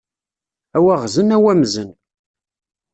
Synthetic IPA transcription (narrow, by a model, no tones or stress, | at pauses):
æwæʁzənæwæmzən